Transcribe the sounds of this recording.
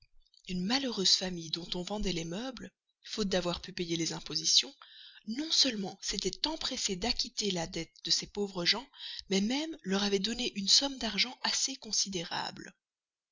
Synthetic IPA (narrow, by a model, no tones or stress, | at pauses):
ynmaløʁøz̥famijd̪ɔ̃t̪ɔ̃vɑ̃d̪ɛlemœbl | fot̪̚d̪avwaʁpypejelezɛ̃pozisjɔ̃nɔ̃sœlmɑ̃set̪ɛt̪ɑ̃pχesed̪akʲit̪elad̪ɛt̪̚d̪əsepovʁəʒɑ̃mɛmɛmlœʁavɛd̪ɔneʔynsɔmd̪aʁʒɑ̃asekɔ̃sid̪eʁa̰bl